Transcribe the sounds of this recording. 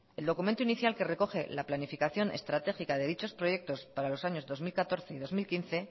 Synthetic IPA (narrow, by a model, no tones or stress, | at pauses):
e̞ld̪o̞kumẽnt̪uiniθjalke̞re̞ko̞xe̞̰laplanifikaθjo̞nʔe̞st̪ɾat̪e̞xikaðe̞ðit͡ʃo̞spɾo̞ʝe̞k̚t̪o̞spaɾalo̞saɲozðo̞zmilkat̪o̞ɾθe̞iðo̞zmilkinθe̞